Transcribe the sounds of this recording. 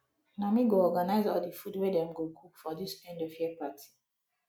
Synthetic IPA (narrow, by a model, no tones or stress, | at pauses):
namiɡoɔɡanaɪzɔldifudwɛdɛ̃mɡoɡupfɔdisɛ̃ndɔv̥hipatʰi̥